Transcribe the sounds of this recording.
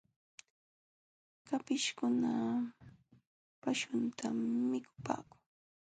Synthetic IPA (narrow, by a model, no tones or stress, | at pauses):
kapɪʃkʊna | paʃʊnt̪ʰamːɪkʊ̥pa̰ːkʊ̥ŋ